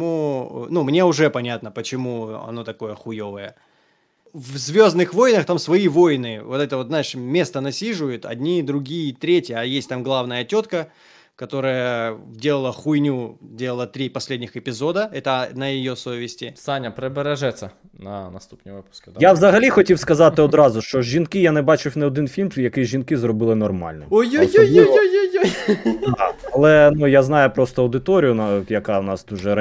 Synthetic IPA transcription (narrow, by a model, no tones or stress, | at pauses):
unumnʲe̞ʊʐɛpɐnʲat̪nəpət͡ɕɪmuɐ̰no̞t̪ɐko̞jəxʊjo̞vəjə | vzvʲo̞znɨxvo̞jnəxt̪amsvɐivo̞jnɨvo̞t̪ɛt̪əvo̞t̪zaɪʂmʲe̞st̪ənɐsʲiʐʊjʊt̪ɐ̰dʲnʲid̪ɾʊɡʲijət̪ɾʲetʲjəːjesʲtʲt̪amɡlˠavnəjətʲo̞t̪kə | kɐt̪o̞ɾəjədʲe̞lˠəlˠəxʊjnʲudʲe̞lˠəlˠət̪ɾʲipɐsʲlʲedʲnʲɪxɪpʲɪzo̞d̪əɛt̪ənɐjɪjosoʋʲɪsʲtʲɪsanʲɐpɾɪbeɾɛʒɛt͡sʲːɐ | nɐnɐst̪u̥pnʲiʋɪpʊ̥sk̪jaʋzɐɦɐlʲixɔtʲiwskɐzɑt̪ɪɔd̪ɾɑzʊʃt͡ʃɔʒʒːinkɪjanɛbat͡ʃɪfʲnɛɔd̪ɪnfʲilʲmjɐkɪʒʲinkɪzrɔbɨlˠɪnɔrma̰lʲnɔojujoojujjd̪aɐlˠɛnujaznɑjʊpɾost̪ɔɐwd̪ɪt̪oɾʲɪjʊnjɐkawnɑst̪uʒɛɾɐ